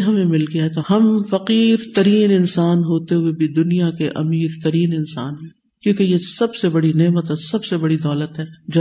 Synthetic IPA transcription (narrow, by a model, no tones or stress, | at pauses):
ɦɐmẽmɪlɡiaɦɛt̪oɦɐmfɐqiːɾt̪ɐɾiːnɪnsaːnɦoːt̪eɦʊebʱid̪ʊnijakeʔɐ̰miːɾt̪ɐɾiːnɪnsa̰ːnɦɛ̃ː | kjõːkejesɐbsebɐɽineːmət̪ɦɛsɐbsebɐɽid̪ɔːlət̪ɦɛːd͡ʒoː